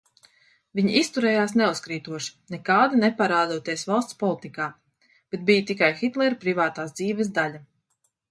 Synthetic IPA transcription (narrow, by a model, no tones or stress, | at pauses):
viɲiist̪uɾɛːjaːsnɛuskɾiːt̪uɔʃi̥nɛkaːd̪inɛpaɾaːd̪uɔt̪iɛsvalˠst̪spɔlˠit̪ikaː | b̥et̪̚bijət̪ikajxit̪lˠɛɾpɾivaːt̪aːsd̪ziːvɛs̬d̪aʎʲa